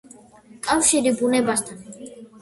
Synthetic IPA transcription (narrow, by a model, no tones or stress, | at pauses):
kʼafʃiɾibunɛbast̪ʰan